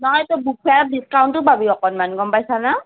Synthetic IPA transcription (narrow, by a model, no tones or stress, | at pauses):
nɔɦɔjt̪ɔbukʰadiskawntʊbabiɔkɔnmanɡɔmpajsana